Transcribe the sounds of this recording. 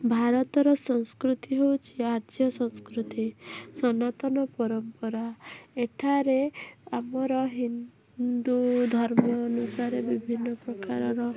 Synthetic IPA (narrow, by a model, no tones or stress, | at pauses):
bʱaɾɔt̪ɔɾɔsɔŋskɾut̪iɦewt͡ʃʰiaɾt̪ʰjɔsɔ̃ŋskɾut̪isɔnat̪ɔnɔpɔɾɔmpɔɾaeʈʰaɾeamɔɾɔɦin | d̪ud̪ʱɔɾmɔːnusaɾebibʱinːɔpɾɔkaɾɔɾɔ